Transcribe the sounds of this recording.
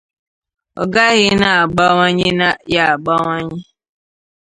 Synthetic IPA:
ɔ̰˨ɡa˦ɣɪ˦na˨a˨ɡ͡ba˦ŋa˦ɲɪ˦na˦ja˨a˨ɡ͡ba˦ŋʷa˦ɲɪ˦

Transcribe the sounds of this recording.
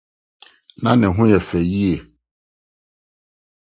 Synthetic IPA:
nã˦nɪ̃˨ɦʊ̃˦jɛ˨fɛ˨ji˦e˨

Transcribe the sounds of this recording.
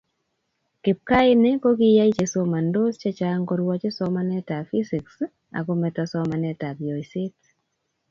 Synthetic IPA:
kɪ˨p̚ka˦ɪ˦ne˦ko˦ki˦ja˦i˦t͡ʃe˨so˦ma˨ndo˦st͡ʃe˦t͡ʃaŋɡɔɾwɔ˦t͡ʃe˦sɔma˦nɛ˦ta˨fi˦si˨ks | a̰˨ko˦mɛ˨tasɔma˨nɛta˨bjɔ˨jsɪt

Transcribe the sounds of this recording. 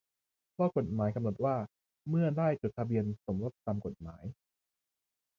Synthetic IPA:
waː˥˩ko˨˩t̪̚maː˩˦jka˧mno˨˩t̪̚waː˥˩ | mɯ˥˩ɐdaː˥˩jt͡ɕo˨˩t̪ʰːa˧bi˧ənso˩˦mɾo˨˦˥t̪̚t̪ːaː˧mko˨˩t̪̚maː˩˦j

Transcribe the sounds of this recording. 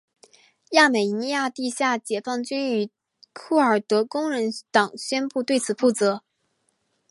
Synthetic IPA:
ja˥˩me˨˩ɪ˧˥ni˧ja˥˧t̪i˥˧ɕja˥˩t͡ɕjɛ˨˩fɑ˥˩ŋt͡ɕy˥ny˧˩ | kʰu˥˩ə˞˨˩t̪ɤ˧˥kʊ˥ŋɻə˧˥nt̪ɑ˨˩ŋɕɥɛ˥npu˥˧t̪we˥˩ɪt͡sʰɹ̩˨˩fu˥˩t͡sɤ˧˥

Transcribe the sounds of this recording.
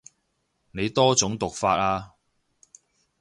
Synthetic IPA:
ne˨˧jt̪ɔː˥t͡sʊ˨˥ŋt̪ʊ˨k̚faː˧t̚aː˧

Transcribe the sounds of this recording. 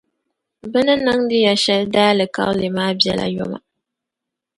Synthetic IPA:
bɨ˦nɨ˦nɨ˦ŋdɨ˦ja˨ʃɛ˦ldaː˦lɨ˨ka̰˦llɨ˨maː˦bjɛ˦la̰˨jɔ̰˦ma̰˨

